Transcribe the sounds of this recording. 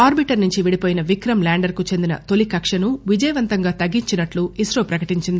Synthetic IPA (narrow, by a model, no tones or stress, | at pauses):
aːɾbiʈɐɾnuɲt͡ʃiʋiɽipoːjinɐʋikɾɐmlaːɳɖɐɾkut͡ʃe̞nd̪inɐt̪o̞likɐkʂɐnuʋid͡ʒɐjɐʋɐnt̪ɐŋɡaːt̪ɐɡːiɲt͡ʃinɐʈluisɾoːpɾɐkɐʈiɲt͡ʃind̪i